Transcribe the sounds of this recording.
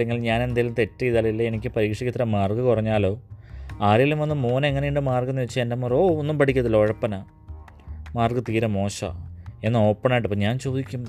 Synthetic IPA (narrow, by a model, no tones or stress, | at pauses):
leŋɡiɭɲaːne̞nd̪ajilumt̪e̞tːɨiðalɐilːɐenikʲːɨpɐɾiːkʂikʲːɐt̪ːɐɾɐmaːrɡɨkurɐɲːaːlo̞ːaːɾɐjilumʋɐnːɨmːuːnɐeŋːɐnejuɳɖɨmaːrɡunːɨʋet͡ɕːɨendemuroːonːumpɐʈʰikʲːɐt̪ðilːooɻɐpːɐna | maːrɡɨt̪iːɾɐmo̞ːɕɐ̰e̞nːɨo̞ːpːɐɳɐaːjʈːɨpːoːɲaːnt͡ɕo̞ːd̪ikʲːum